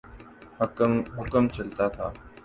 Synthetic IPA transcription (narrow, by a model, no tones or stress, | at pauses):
hɦʊkəmt͡ʃʰəlt̪at̪ʰa̰ː